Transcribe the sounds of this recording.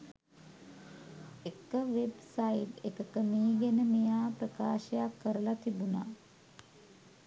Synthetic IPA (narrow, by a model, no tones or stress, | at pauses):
ekːəʋebsajit̪ekəkəmiːɡenəmijaːpɾəka̰ːʃəjakːəɾəlat̪ʰibuna